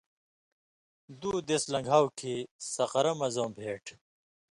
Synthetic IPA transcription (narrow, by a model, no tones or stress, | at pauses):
d̪uːd̪eslɐ̃ŋɡʱaːwkʰisɐqɐɾɐmɐzõːbʱeːʈʰ